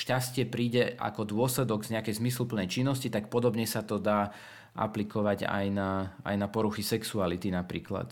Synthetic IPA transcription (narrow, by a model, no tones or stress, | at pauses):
ʃcascɪɛpɾiːɟɛa̰kɔd̪ʊɔslɛd̪ɔɡzɲɛakɛjzmislupl̩nɛjt͡ʃinːɔscit̪ak̚pɔd̪ɔbɲɛsat̪ɔd̪aː | ʔa̰plikɔʋaɟa̰jnaa̰jnapɔɾuxisɛksualit̪inapɾiːkla̰t̪